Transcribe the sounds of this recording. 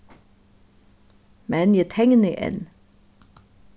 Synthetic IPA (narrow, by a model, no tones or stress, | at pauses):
mɛnjæt̪ʰɛŋniʔḛn